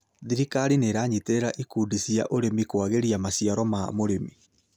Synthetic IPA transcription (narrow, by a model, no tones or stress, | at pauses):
ðiɾikaɾineɾaɲiteɾaʔikudisia̰ʔoɾemikwaɣeɾiamasjaɾɔmamoɾemi